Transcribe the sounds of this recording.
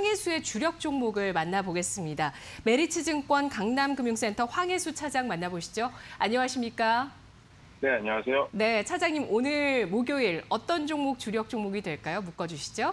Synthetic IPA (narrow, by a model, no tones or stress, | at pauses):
ɸwaŋe̞sʰue̞t͡ɕuɾjʌk̚t͡ɕ͈oŋmoɡɯɭmanːaboɡe̞s͈ɯmɲida | me̞ɾit͡ɕʰɯd͡ʑɯŋk͈wʌnkaŋnamɡɯmjuŋs͈e̞ntʰʌɸwaŋe̞sʰut͡ɕʰad͡ʑaŋmanːaboɕʰi̥d͡ʑoaɲʌŋaɕʰimɲik͈a | ne̞aɲʌŋasʰejone̞t͡ɕʰad͡ʑaŋɲimonɯɭmoɡjoiɾʌt͈ʌnd͡ʑoŋmuk̚t͡ɕuɾjʌk̚t͡ɕ͈oŋmoɡidwe̞ɭk͈ajomuk͈ʌd͡ʑuɕʰi̥d͡ʑo